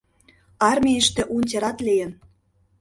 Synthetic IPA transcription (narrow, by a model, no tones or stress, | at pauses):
ɑrmʲiə̆ʃt̪ĕʔunʲtʲeɾɑt̪lʲejə̆n